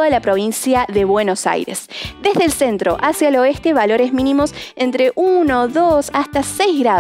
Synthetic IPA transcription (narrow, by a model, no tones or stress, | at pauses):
ðalapɾo̞β̞insjaðe̞βweno̞sa̰jɾe̞̰sd̪e̞zðelsent̪ɾo̞ʔasjaelo̞est̪e̞βalo̞ɾezmĩnĩmo̞sent̪ɾe̞ʔuno̞ðosast̪asejzɣɾa